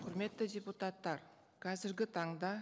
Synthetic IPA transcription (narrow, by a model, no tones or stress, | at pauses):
qʰʊɾme̞t̪ːɪdʲeput̪ɑt̪ːɑɾ | kʰɑzɪɾɡʲɪt̪ʰɑɴd̪ɑ